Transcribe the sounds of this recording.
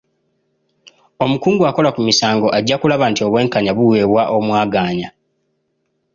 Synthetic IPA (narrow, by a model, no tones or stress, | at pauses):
o̞mukuːŋɡuako̞lakumisaːŋɡo̞ʔaɟːakulaβantio̞βwe̞ːŋkaɲaβuwe̞ːβwaʔo̞mwaːɡaːɲa